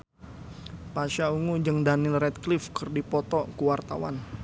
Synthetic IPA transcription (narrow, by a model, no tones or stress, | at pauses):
paʃauŋud͡ʒəŋdanɪlrɛt̪̚klɪfkərdipɔt̪ɔkuwart̪a̰wa̰n